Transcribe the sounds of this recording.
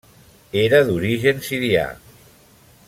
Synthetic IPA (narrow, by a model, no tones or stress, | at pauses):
eɾəðuɾiʒensiɾia̰